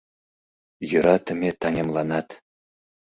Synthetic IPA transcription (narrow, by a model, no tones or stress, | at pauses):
jə̆ɾɑt̪ʰə̆mʲet̪ʰɑŋemlˠɑnɑt̪